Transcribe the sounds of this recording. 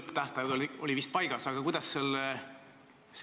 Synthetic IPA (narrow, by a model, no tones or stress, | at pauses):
pːt̪æht̪ɑolio̞livist̪̚pɑjɡ̥ɑsɑɡ̥ɑkujd̪̥ɑsːelː | s